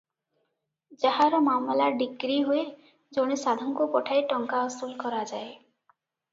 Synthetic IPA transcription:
d͡ʒaɦaɾɔmamlaɖiɡɾiɦue | d͡ʒoɽ̃isad̪ʱɔŋkupɔʈʰajʈɔŋkaɔst̪ulkɔɾad͡ʒae

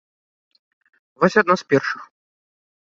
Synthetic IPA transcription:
vɔsʲad̪naspʲɛrʂɨ̥x

